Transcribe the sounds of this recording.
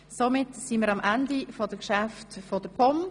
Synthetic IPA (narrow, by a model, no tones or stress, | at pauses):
somɪtsiməːɾɑmʔændifɔdəkʃaftfɔd̥əpʰɔm